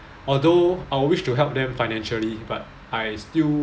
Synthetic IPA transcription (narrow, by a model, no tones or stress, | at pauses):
ɔldoajwiʃtuɦɛlp̚dɛ̃mfaɪnɛ̃nʃəlibat̚ | ajstil